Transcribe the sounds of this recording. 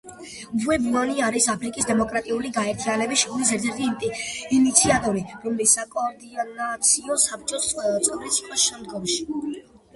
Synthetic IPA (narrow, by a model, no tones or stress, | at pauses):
vuɛbuaniaɾisapʰɾikʼisd̪ɛmɔkʼɾat̪ʼiuliɡaɛɾt̪ʰianɛbisʃɡulis̬ɛɾt̪ʰɛɾt̪ʰiinit̪sʰiat̪ʼɔɾiɾɔmlisːakʼɔːɾd̪inat̪sʰiɔsap̚ʰt͡ʃʼɔt̪sʼɛvɾit̪sʰiqʼɔʃɛmd̪ɡɔmʃi